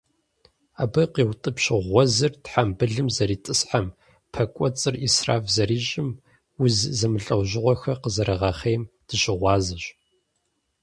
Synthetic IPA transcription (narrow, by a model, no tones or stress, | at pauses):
aːbɐqiːwtʼɨpʃɪʁʷɔzɨrtħambɨɮɨmzɐɾiːtʼɨsħam | pʰɐkʷʼɔt͡sʼɨrisra̰ːfzɐɾiːɕʼɪm | ʊzzɐmɨɬʼɐwʑɪʁʷɔxɐqəzɐɾɐʁɑːχejmd̥ɨɕɪʁʷɑːzɐɕʼ